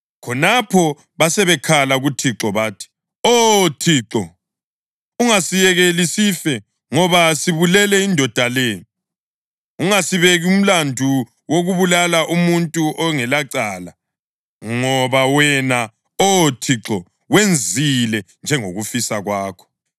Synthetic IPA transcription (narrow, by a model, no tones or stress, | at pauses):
kʰɔnapʰɔ | βasɛβɛkʰalaɣutʰiǁɔβaːtʰi̥ | otʰiːǁɔ | uŋasijɛɣelisifɛ | ŋɔβasiβulɛlɛindʱɔd̥ʱaleːjɔ | uŋasiβeɣium̩landʱu | woɣuβulalaʔumuntʼuʔɔŋɛlaǀaːla | ŋɔβawɛna | ɔtʰiǁɔ | wend͡zʱilɛnd͡ʒʱɛŋoɣufisaɣwaːkʰɔ̥